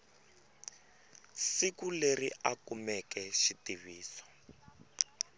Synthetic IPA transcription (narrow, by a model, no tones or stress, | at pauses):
sikuleriakumɛkɛʃitiβiːsɔ̥